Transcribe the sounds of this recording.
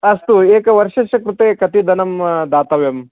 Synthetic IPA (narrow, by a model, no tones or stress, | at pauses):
ɐst̪ueːkɐʋɐɾʃɐʃɐkɾut̪eːkɐt̪id̪ʱɐnɐmd̪aːt̪ɐʋjɐm